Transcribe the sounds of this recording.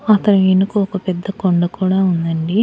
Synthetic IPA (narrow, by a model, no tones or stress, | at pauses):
ɐt̪ːɐnuʋenukuokɐpɛd̪ːɐkoɳɖɐkuːɽaːund̪ɐɳɖi